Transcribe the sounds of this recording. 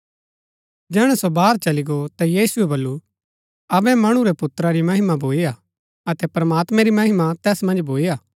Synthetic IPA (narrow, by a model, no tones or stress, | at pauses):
d͡ʒɛːɽ̃ɛsobaːɾt͡ʃɐliɡot̪ajiːsuebɐlːu | ɐbɛ̃mɐɽ̃ũɾɛpʊt̪ːɾaɾimɐɦɪmabʱoːija | ɐt̪ɛpɾɐmaːt̪mɛ̃ɾimɐɦɪmat̪ɛːsmɐ̃nd͡ʒbʱoːijaː